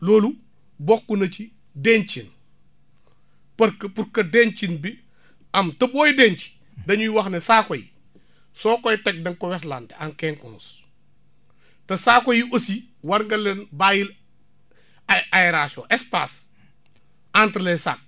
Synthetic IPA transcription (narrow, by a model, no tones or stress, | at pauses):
loːlu | bɔkːunɐt͡ʃi | deɲt͡ʃin | pɐkpuɾkːɐdent͡ʃinbi | ɐmtɐbɔːjideːɲt͡ʃi̥ | dɐɲujwɐxnesaːkɔjḭ | sɔːkɔjtɛk̚dɐŋkɔwɛs̬landeaŋkɛːŋkunus | tɐsaːkɔjiʔosiwɐɾŋɡɐlɛnbaːjil | ajɛɾaso̰ʔɛspas | antɾlɛsa̰k̚